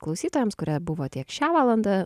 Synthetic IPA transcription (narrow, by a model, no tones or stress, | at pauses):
klˠɐʊsʲiːt̪oːjɛmskʊɾʲɛbʊʋoːt̪ʲiɛkʃʲæːʋɑːlˠɐnd̪ɑ